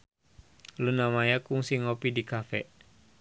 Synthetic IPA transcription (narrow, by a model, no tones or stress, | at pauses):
lunamajakuŋsiŋɔpidikafɛʔ